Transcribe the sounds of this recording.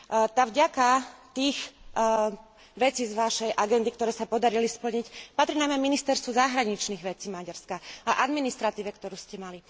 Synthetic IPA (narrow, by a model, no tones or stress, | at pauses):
t̪avɟakat̪iːx | ʋɛt͡siːzʋaʃɛjʔaɡɛnd̪ikt̪ɔɾɛːsapɔd̪aɾilispl̩ɲicpat̪ɾinajmɛminist̪ɛɾst̪ʋuzaɦɾaɲit͡ʃniɣʋɛt͡siːmaɟaɾskaaʔad̪minist̪ɾat̪iːʋɛkt̪ɔɾuːscɛmali